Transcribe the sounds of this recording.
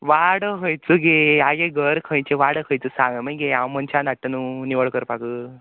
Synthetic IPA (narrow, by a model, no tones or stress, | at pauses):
ʋaɽəɦəjt͡suɡeaɡeɡəɾkʰə̃jt͡ɕeʋaɽəkʰə̃jt͡səsãŋɡəmə̃jɡeawmənt͡ɕʰanaʈːənuniʋəɭkəɾpakə